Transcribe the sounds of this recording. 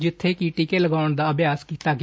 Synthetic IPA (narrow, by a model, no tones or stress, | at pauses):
d͡ʒɪt̪ʰːeːkiːʈiːkeːləɡaːʊɳd̪aːəbjaːskiːt̪aːɡɪ